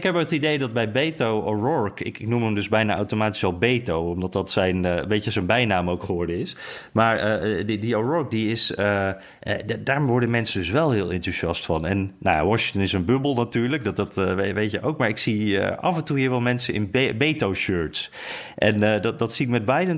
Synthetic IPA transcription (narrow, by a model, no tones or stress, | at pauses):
ɪkɦɛpəətidejdɑd̚bɛjbejtowoɹɔɹkɪ̰kɪknuməmdɵzbɛjnaʔa̰wtomaːti̥sɑlˠbejtowɔmdɑt̚dɑtsɛjnbejtəzənbɛjnaːmowkχəʋɔɹdəɪsmaːɹədioɹɔɹk̚diɪsə | daːɹʋɔɹdəmɛnsədɵs̬ʋɛlˠɦɪːlˠɛntuʃiɑstfɑnɛnːaja̰ʋɔʃɪŋtənɪsənbɵbəlˠnatyːɹlək̚dɑteʋejtjəʔowkmaːɹɪksiə̰ʔɑ̰vəntuɦiːɹʋɛlˠmɛnsənɪ̰nbbejtowʃøɹtsʔɛnddɑtsiɪkmɛd̚bɛjdən